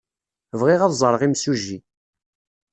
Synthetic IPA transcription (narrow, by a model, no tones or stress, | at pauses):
vʁiʁaðzˤəɾˤəʁimsuʒːi